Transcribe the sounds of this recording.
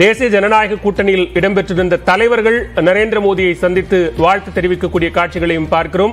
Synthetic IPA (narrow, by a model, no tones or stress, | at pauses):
d̪eːsɐjɐd͡ʒɐnɐnaːjɐɣɐkːuːʈːɐnɪjɪlɪɽɐmpɛʈrɪɾɯnd̪ɐt̪ɐlɐɪʋɐɾɣɐɭnɐɾeːnd̪ɾɐmoːðɪjɐɪsɐnd̪ɪt̪ːɯʋaːɻt̪ɐt̪ːɛɾɪʋɪkːɐkːuːɽɪjɐkaːʈ̚t͡ʃɪɣɐɭɐjɯmpaːɾkɪrɯm